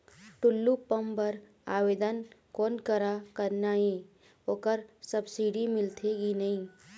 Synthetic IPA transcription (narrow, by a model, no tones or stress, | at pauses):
ʈʊlːupəmbəɾ | aːʋeːd̪ənkɔːnkəɾakəɾnaːɦẽ | oːkəɾsəbsiɖimɪlt̪ʰeɡinɐɦĩː